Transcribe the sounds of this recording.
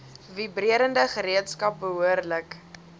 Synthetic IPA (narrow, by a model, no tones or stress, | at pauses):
vibɾiəɾəndəχəɾiətskɐp̚bəɦuərlək